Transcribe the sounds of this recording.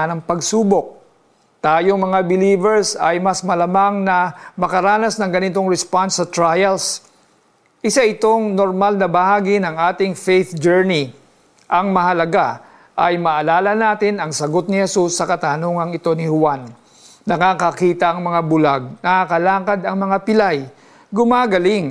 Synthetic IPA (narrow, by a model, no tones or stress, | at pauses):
nɐŋpɐɡsuːbo̞k̚ | t̪aːjoŋmɐŋabɪliːvɛɹsɐjmɐsmɐlɐmaŋnɐmɐkɐɾaːnɐsnɐŋɡɐnɪt̪o̞ŋɾɛspansːɐt̪ɾajɐls | ʔɪsaʔɪt̪o̞ŋnoɾmalnɐbɐhaːɡinɐŋʔaːt̪ɪŋfejθd͡ʒɛɹni | ʔɐŋmɐhɐlɐɡa | ʔɐjmɐʔɐlaːlɐnaːt̪ɪnɐŋsɐɡo̞t̪̚nɪhɛsusːɐkɐt̪anoːŋɐŋɪt̪o̞nɪhʊwanː | ɐkaːkɐkiːt̪ɐʔɐŋmɐŋabʊlaɡ̚nɐkakɐlaːkɐd̪ɐŋmɐŋapɪlaj | ɡʊmaːɡɐlɪŋ